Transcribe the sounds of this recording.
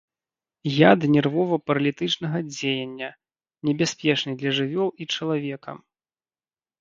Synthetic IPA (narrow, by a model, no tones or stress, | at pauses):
jad̪ɨnʲɛrvɔvɐpɐɾɐlʲit̪ɨt͡ʂnɐɣɐd͡zʲejɐnʲːɐ | nʲɛbʲasʲpʲɛt͡ʂnɨd̪lʲɐʐɨvʲɔlˠit͡ʂɐlˠavʲɛkɐ̰